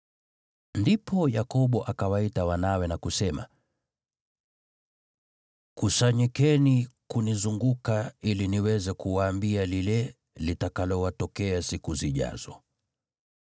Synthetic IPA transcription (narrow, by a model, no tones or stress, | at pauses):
ndipʰɔjakɔɓɔʔakawaitawanawɛnakusɛma̰ | kusaɲikɛnikunizuŋɡukailiniwɛzɛkuwaːmbialilɛ | litakalɔwatɔkɛasikuziʄa̰z̥ɔ